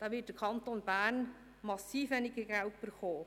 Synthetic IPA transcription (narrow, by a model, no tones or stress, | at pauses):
d̥ɑːʋɪt̚d̥əkʰɑntonbæːrn | mɑsːiːfɛnɪɡəɡaltb̥əɾχoː